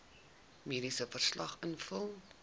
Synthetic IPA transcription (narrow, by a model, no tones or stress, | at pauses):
miːdisəfərslɐχənfəlˠ